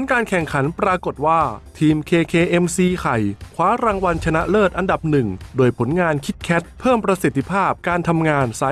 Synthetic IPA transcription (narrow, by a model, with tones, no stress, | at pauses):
nkaː˧nkʰɛ˨˩ŋkʰa˩˦npɾaː˧ko˨˩t̪̚waː˥˩t̪ʰiː˧mkʰeː˧kʰeː˧ʔe˧msiː˧kʰa˨˩jkʰwaː˦˥ɾaː˧ŋwa˧nt͡ɕʰa˧na˦˥ʔlɤː˥˩t̪̚ʔa˧nda˨˩p̚nɯ˨˩ŋdoː˧jpʰo˩˦nŋaː˧nkʰi˦˥t̪̚kʰɛ˦˥t̪̚pʰɤː˥˩mpɾa˧si˨˩t̪ʰːi˧pʰaː˥˩p̚kaː˧nt̪ʰa˧mŋaː˧nsa˦